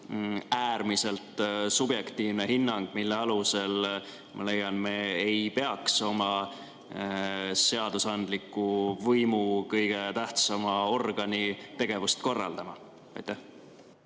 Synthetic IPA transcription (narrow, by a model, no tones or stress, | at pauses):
æːɾmise̞lt̪subje̞kt̪iːvnehinːɑŋɡ̥milːeɑluse̞l | mʔɑ̰le̞jːɑnme̞ejpe̞ɑkso̞mɑ | se̞ɑd̪̥usɑnd̪likːˑuvɤjmukɤjɡ̥e̞t̪æht̪sɑmɑo̞rɡ̥ɑnit̪e̞ɡ̥e̞vust̪ko̞rːɑ̰ld̪̥ɑmɑ | ɑ̰jt̪ːˑæh